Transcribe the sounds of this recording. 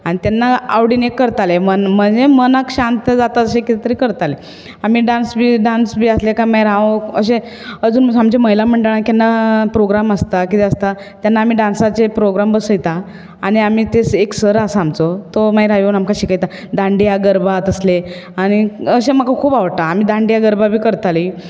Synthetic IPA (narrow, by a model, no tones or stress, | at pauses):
aɽ̃it̪anːaa̰ʋɽinekːəɾt̪alemənm̤əɳd͡zemənakɕant̪əd͡zat̪aəɕekit̪t̪əɾikəɾt̪ale | am̤iːɖãnsbiɖansbiːaslekaməjɾaʋə̰ɕe | əd͡zuːnamd͡ʑeməɦilam̤əɳɖəɭãkanːapɾoɡɾaməst̪akit̪eəst̪a | t̪janːaːm̤iːɖãnsat͡ɕepɾoɡɾambəsəjt̪a | aɽ̃iam̤iːt̪eseksəɾasamt͡sot̪oməjɾɦajonamkaɕikajt̪a | d̪ãɳɖijaɡəɾbat̪əsleaɽ̃iəɕeməkakʰuːbaʋəʈaːmiːd̪ãɳɖijaɡəɾbabʱiːkəɾt̪ali